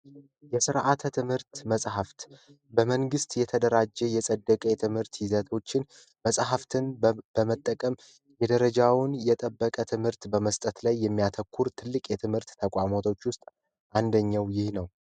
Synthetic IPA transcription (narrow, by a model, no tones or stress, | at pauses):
jɛsɨɾʔat̪ʰət̪ʰɨmhɨɾt̪məsʼɦaft̪ | bəməŋɡɨst̪jɛt̪ʰəd̪əɾad͡ʒɛjɛsʼəd̪ːəkʼəjɛt̪ʰɨmhɨɾt̪jɪzət̪ʰo̞t͡ʃːɪn | məsʼɦaft̪ʰɨnbəmət̪ʼːəkʼəm | jɛd̪əɾəd͡ʒawʊnjɛt̪ʼəbːəkʼət̪ʰɨmhɨɾt̪bəməst̪ʼət̪lajːɛmːijat̪ʰəkʰːuɾt̪ʰɨlːɨkʼjɛt̪ʰɨmhɨɾt̪ːʰəkʼamot̪ʰo̞t͡ʃːwʊst̪ʼ | ʔand̪əɲːawjɪhnəw